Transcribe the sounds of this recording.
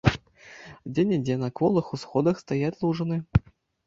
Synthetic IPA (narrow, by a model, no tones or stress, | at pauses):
dʲenʲɪdʲenɐkvɔlˠɨxusxɔd̪əxst̪ɐjat̪ʲlˠuʐɨnɨ